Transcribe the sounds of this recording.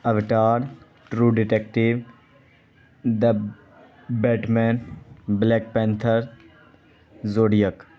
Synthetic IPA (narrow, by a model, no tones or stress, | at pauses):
ɐʋʈaːɾ | ʈɾuːɖɪʈekʈiʋ | d̪ɐ | bɛːʈmɛ̃ːnblɛːk̚pɛ̃ːnt̪ʰəɾ | zoːɽijək